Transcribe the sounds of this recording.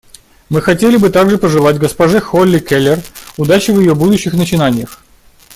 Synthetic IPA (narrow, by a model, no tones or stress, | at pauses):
mɨxɐtʲelʲɪbɨt̪aɡʐɨpəʐɨlˠatʲɡəspɐʐɛxolʲːɪkʲelʲɪrʊd̪at͡ɕɪvjɪjobud̪ʊɕːɪxnət͡ɕɪnanʲɪjəx